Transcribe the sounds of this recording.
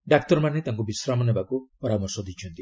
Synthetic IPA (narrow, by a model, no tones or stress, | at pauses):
dakt̪oɾmanet̪aŋɡubisɾamoneβakuoɾamosod̪it͡ʃuend̪i